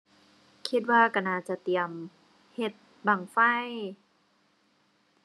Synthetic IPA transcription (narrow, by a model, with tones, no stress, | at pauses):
kʰi˧˩t̪̚waː˧˩ka˧˩naː˧˩t͡ɕa˧˨t̪i˨˩əm | he˧˩t̪̚ | ba˨˩ŋfa˧˥˩j